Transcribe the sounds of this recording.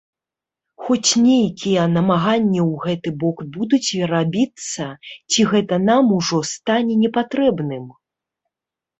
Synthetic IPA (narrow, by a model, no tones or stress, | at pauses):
xɔt͡sʲnʲejkʲijɛnɐmaɣanʲːɛwɣɛt̪ɨbɔkbud̪ut͡sʲvʲɛɾabʲit̪sːɐt͡sʲiɣɛt̪ɐnamuʐɔst̪anʲɛnʲɛpat̪ɾɛbnɨm